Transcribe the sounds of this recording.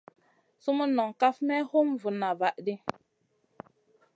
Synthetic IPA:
su˦mə˦nːɔ˨ŋ˨ka˦fmɛ˦ho˦m˨vu˨na˨va˨ʔdi˦

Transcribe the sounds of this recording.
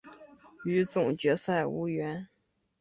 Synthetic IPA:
y˧˥t͡sʊ˨˩ŋt͡ɕɥɛ˧˥sa˥˩ɪṵ˧˥ɥɛ˧˥n

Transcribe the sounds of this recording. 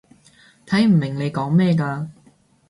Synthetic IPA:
t̪ʰɐ˨˥jm̩˨˩mɪ˨˩ŋle˨˧jkɔː˨˥ŋmɛː˥˧kaː˧

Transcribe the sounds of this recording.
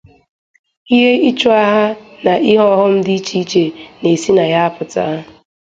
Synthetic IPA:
i˦ɦe˦i˦t͡ʃo˦a˦ɦa˦na˨ʔi˦ɦɔ˦ɦʊ˦m̩˦dɪ˦i˦t͡ʃi˦i˦t͡ʃe˨ne˨si˦na˨ja˦a˦pʊ˨ta̰˦˨

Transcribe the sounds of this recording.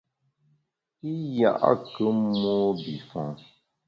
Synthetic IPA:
i˦ja̰˦˨ʔa̰˦kə˦mo˦bi˨fã̰˨

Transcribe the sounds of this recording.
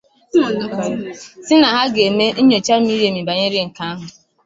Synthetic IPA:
sɪ˦na˨ɦa˦ɡe˨me˦n̩˦ɲo˨t͡ʃa˦m̩˦mi˦ɾe˨mi˨ba˨ɲe˦ɾɪ˦ŋ̩˨ka˦a˦ɦʊ˨

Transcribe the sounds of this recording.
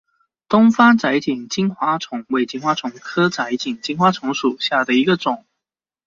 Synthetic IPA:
t̪ʊ˥ŋfa˥t͡sa˧˥ɪt͡ɕi˨˩ŋt͡ɕi˥nxwa˧˥ʈ͡ʂʰʊ˧˥ŋwe˧˥˩ɪt͡ɕi˧˥ŋxwa˧˥t͡sʰʊ˧˥ŋkʰɤ˥t͡sa˧˥ɪt͡ɕi˨˩ŋt͡ɕi˥nxwa˥t͡sʰʊ˧˥ŋʂu˨˩ɕja˥˩d̪ə˩i˧˥ɡə˧ʈ͡ʂʊ˨˩˦ŋ

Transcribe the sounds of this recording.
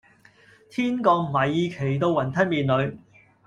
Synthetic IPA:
t̪ʰiː˥nkɔː˧k̚m̩˨˩ɐ˨˩jːiː˧kʰe˨˩jt̪o˧wwɐ˨˩nt̪ʰɐ˥miː˨nlɵ˨˧ɥ

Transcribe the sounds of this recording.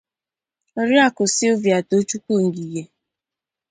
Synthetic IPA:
ɾja˦˨kʊ˨sɪ˦ʊ˦vja˨to˦t͡ʃu˦kʷu˦˨ŋ̩˨ɡi˨je˨

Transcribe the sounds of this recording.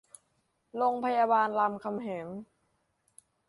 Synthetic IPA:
lo˧ŋpʰa˧jaː˧baː˧nla˧mkʰa˧mɦeː˩˦n

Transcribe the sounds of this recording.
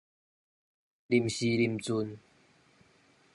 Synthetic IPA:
li˨˩˨mɕi˧li˨˩mt͡su˧n

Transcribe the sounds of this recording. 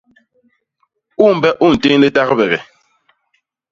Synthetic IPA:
u˦˨m̩˨bɛ˦ʔu˦˨n̩˨te˦le˦ta˦ɣə˦bɛ˨ɣɛ˨

